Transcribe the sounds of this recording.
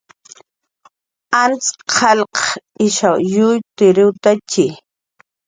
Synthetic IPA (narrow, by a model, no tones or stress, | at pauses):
ant͡sqʰɑlqɑ̥ɪʃawjʊjt̪ɪɾɪwt̪at͡ʃi